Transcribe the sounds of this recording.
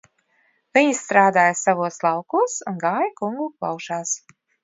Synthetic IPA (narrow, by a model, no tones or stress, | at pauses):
vʲiɲisːt̪ɾaːd̪aːjasavuɔslˠɑwkuɔsunɡaːjakuŋɡuklˠa̰wʃaːs